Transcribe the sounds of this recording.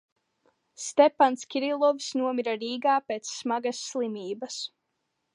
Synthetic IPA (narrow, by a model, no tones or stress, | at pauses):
st̪ʲɛpanskʲiɾilˠɔvsnuɔmiɾaɾiːɡaːpeːt̪sːmaɡasːlˠimʲiːbɐs